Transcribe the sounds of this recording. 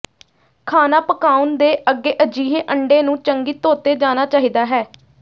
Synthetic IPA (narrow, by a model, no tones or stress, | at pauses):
kʰaːnaːpəkaːʊnd̪eːʔəɡːeːʔəd͡ʒiːɦeːʔəɳɖeːnũːt͡ʃəŋɡiːt̪oːt̪eːd͡ʒaːnaːt͡ʃaːɦiːd̪aːɦɛː